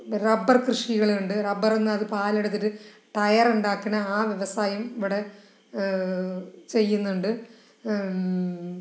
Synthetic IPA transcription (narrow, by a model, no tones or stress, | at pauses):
rɐbɐrkrɨʂiɣɐɭɳɖɨrɐbɐrenːɨɐðɨpaːlɐɽɐt̪ːoɾu | ʈɐjɐruɳɖaːkːinɐaːʋjeʋɐsaːjɐmiʋiɽe̞ | t͡ɕe̞jːunːuɳɖɨ